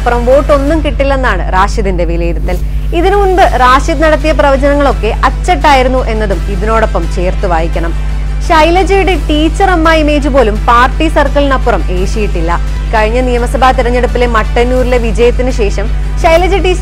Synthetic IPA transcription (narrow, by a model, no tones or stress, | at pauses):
purɐmʋo̞ːʈːo̞nːumkiʈːilːenːaːɳɨ̰raːʂiðinde̞ʋilɐjiðɐt̪ːil | iðinuɳbɨraːʂiðnɐɽɐt̪ːijɐprɐʋɐd͡ʑɐnɐŋːɐɭo̞kːe̞ʔɐt͡ɕːɐʈːaːjiɾunːuʔe̞nːɐðumiðino̞ːɽo̞pːɐmt͡ɕe̞ːrt̪uʋaːjikʲːɐɳɐm | ɕɐjlɐd͡ʑɐjuɽe̞ʈiːt͡ɕːɐrɐmːaːjime̞ːd͡ʑupo̞ːlumpaːrʈːisɐrkɐlnɐpːurɐmeːʂijiʈːilːɐ | kɐɻiɲːɐnijɐmɐsɐbʱaːt̪iɾɐɲːe̞ɽupːile̞mɐʈːɐnːuːɾile̞ʋid͡ʑɐjɐt̪ːinɨɕe̞ːʂɐm | ɕɐjlɐd͡ʑɐʈiː